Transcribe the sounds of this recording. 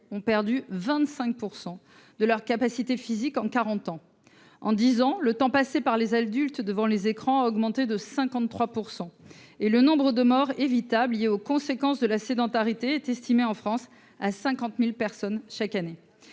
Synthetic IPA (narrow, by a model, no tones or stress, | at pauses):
ɔ̃pɛʁd̪yvɛ̃t̪sɛ̃k̚puʁsɑ̃ | d̪əlœʁkapasit̪efizikɑ̃kaʁɑ̃t̪ɑ̃ | ɑ̰̃d̪izɑ̃lət̪ɑ̃pasepaʁlezad̪ylt̪d̪əvɑ̃lezekχɑ̃aɔɡmɑ̃t̪ed̪əsɛ̃kɑ̃t̪ːχwapuʁsɑ̃elənɔ̃bʁəd̪əmɔʁevit̪ablijeokɔ̃sekɑ̃sd̪əlased̪ɑ̃t̪aʁit̪eɛt̪ɛst̪ʰimeɑ̃fχɑ̃s | asɛ̃kɑ̃t̪milpɛʁsɔnʃakane